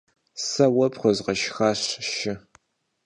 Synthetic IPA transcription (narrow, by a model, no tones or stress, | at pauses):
sɐwɐpχʷɔzqɐʃxaːɕʃɪ